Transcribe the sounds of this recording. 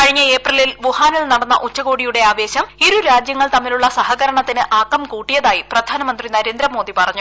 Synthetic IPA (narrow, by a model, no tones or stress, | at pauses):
kɐɻiɲːɐe̞ːprɐlilʋuhaːnilnɐɽɐnːɐ̰ʔut͡ɕːɐɣo̞ːɽijuɽe̞aːʋe̞ːɕɐmiɾuɾaːd͡ʑjɐŋːɐɭt̪ɐmːiluɭːɐsɐhɐɣɐɾɐɳɐt̪ːinɨʔaːkːɐmkuːʈːijɐðaːjiprɐd̪ʱaːnɐmɐnd̪rinɐɾe̞ːnd̪ɾɐmo̞ːd̪ipɐrɐɲːu